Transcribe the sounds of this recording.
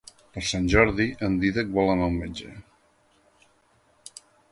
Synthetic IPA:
pəɾsanʲʒɔɾðiʔənd̪iðək̚bɔlˠəmawmenʲd͡ʒə̰

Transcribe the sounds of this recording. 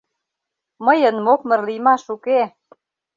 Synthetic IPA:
məjənmok̚mə̆rlijmɑʃuke

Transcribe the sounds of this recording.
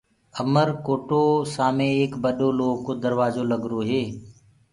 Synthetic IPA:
əməɾkoːʈoːsaːmẽːeːkbəɗoːloːɡkoːd̪əɾʋaːzoːləɡɾoːɦeː

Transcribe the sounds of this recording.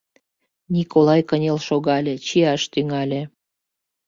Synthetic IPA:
nʲikolɑjkənʲelʃoɣɑlʲĕt͡ɕiɑʃt̪yŋɑlʲĕ

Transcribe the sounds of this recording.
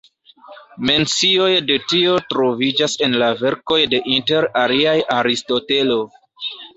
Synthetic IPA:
me̞nt͡sio̞jde̞tio̞tɾo̞vid͡ʒase̞nlave̞ɾko̞jde̞ʔinte̞ɾaliajaɾisto̞te̞lo̞

